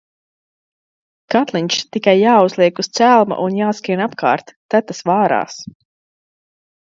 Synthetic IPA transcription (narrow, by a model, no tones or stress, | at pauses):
kat̪lˠiɲʲt͡ʃt̪ikajːaːuzlˠiɛkust̪sælˠma̰ʔunjaːskinapka̰ːɾt̪ːæt̪asvaːɾa̰ːs